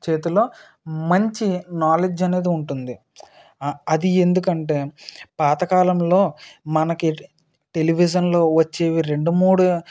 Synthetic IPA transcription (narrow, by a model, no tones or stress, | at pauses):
t͡ʃe̞ːt̪ulo̞ː | mɐɲt͡ʃinaːled͡ʒɐne̞ːd̪iuɳʈund̪i | ɐd̪ie̞nd̪uk̬ɐɳʈe̞ːpaːt̪ɐkaːlɐmlo̞ːmɐnɐki | ʈe̞liʋid͡ʒ̬ɐnlo̞ːʋɐt͡ʃːe̞ːʋiɾe̞ɳɖumuːɽu